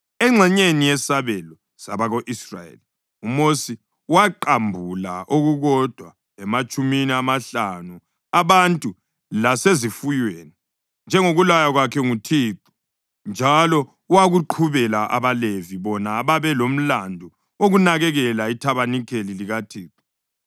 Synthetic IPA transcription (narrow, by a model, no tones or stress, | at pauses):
ɛŋ͡ǁʱɛɲenijɛsaβɛlɔ | saβaɣoʔisra̰jḛli | umosi | waǃambʱulaʔoɣuɣɔd̥ʱwa | ɛmat͡ʃʼuminiamaɬanu | aβantʼu | lasezifujweːni | nd͡ʒʱɛŋoɣulajaɣwakʰɛŋutʰiːǃu̥ | nd͡ʒʱalɔ | waɣuǃʰuβɛlaʔa̰βaleviβɔnaβaβɛlom̩landʱu | oɣunaɣɛɣɛlaitʰaβanikʰeliliɣatʰiːǁu̥